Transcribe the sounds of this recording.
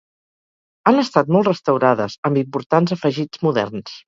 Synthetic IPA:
ənəst̪at̪̚mɔlˠtrəst̪əwɾaðə̰zəmbimpuɾt̪anzəfəʒid͡zmuðɛ̰rns

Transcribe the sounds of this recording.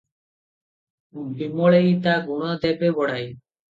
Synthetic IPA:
bimɔɭejt̪aɡuɽ̃ad̪ɛpebɔɽaj

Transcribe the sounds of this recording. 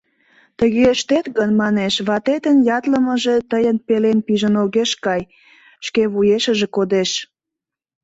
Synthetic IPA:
t̪əɣʃt̪et̪ɣənmɑneʃβɑt̪et̪ənjɑt̪ləməʒe̽t̪əjənpelenpiʒənoɣeʃkɑj | ʃkeβujeʃəʒekod̪eʃ

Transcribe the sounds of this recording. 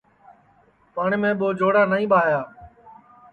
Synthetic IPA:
paːɳmẽːɓoːd͡ʒoːɽaːnaːĩːɓaːjaː

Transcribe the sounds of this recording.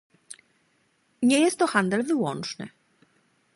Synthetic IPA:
ɲɛjɛst̪ːɔxand̪ɛlvɘwɔnt͡ʂnɘ̰

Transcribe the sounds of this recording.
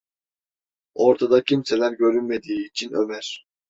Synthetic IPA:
o̞ɾt̪ʰad̪acʰimse̞lʲæɾɟø̞ɾynme̞d̪iːt͡ʃʰinø̞̰mæɾ̥

